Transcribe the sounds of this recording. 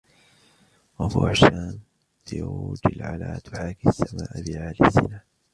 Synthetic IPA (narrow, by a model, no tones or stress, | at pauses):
wafṵːʃaːm | tjad͡ʒɪlʕa̰la̰ːt̪ʰʊħaːkisːamaːʔbɪʕaːlɪsːɪnaː